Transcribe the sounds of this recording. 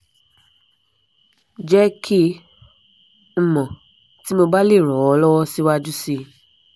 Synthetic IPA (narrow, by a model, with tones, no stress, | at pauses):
d͡ʒɛ˦kʰi˦ | m̩˨mɔ̃˨ | ti˨˦mo˧ba˦le˦˨ɾɔ˨˦ɔ˧˦lɔ˦wɔ˦si˦wa˧d͡ʒu˦si˧